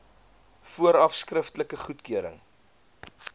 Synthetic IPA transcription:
fuəɾɐfskrəftləkəχutkyəɾə̰ŋ

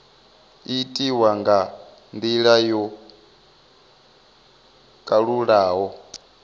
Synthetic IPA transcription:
itʼiwaŋɡa | nd̪iɺajɔ | kʼaɺuɺaːɦɔ

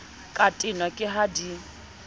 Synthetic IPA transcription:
kʼatʼɪnwakʼɪɦadi

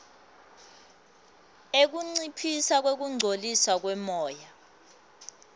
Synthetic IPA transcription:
ek̬uŋ͡ǀipʰisak̬wek̬uŋ͡ǀʱoliswak̬wɛmɔːja

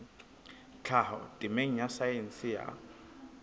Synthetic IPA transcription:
t͡ɬʰahɔ̰tʼɪmeŋ̩jasajen̩sɪja̰

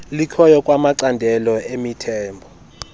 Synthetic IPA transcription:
likʰɔjɔkʼwamaǀandʱɛlɔemitʰɛːmbʱɔ

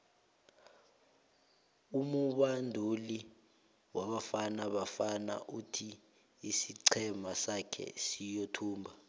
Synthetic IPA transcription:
umuɓandʱuli | waɓafanaɓafana̰ʔutʰi | isiǀʰɛmasakʰɛ̰sijotʰuːmbʱa

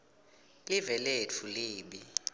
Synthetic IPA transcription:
livɛlɛt͡fʰuleːɓi

